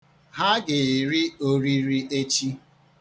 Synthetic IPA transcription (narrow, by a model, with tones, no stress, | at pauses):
ɦa˦ɡɪ˨ɾi˦o˦ɾi˦ɾi˦ʔe˦t͡ʃi˦